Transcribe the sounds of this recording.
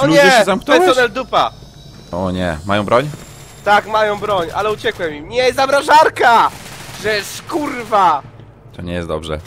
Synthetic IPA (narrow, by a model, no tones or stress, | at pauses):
ɔlɲɛd͡ʒɛɕɛzamknɔɔnɛld̪upa̰ | ɔɲɛ̰majɔ̃w̃bɾɔɲ | t̪akmajɔ̃w̃bɾɔɲa̰lɛut͡ɕɛkwɛmʲimɲɛzabɾaʐaɾkaʐɛʂkurva | t̪ɔɲɛjɛ̰st̪̚d̪ɔbʐɛ̰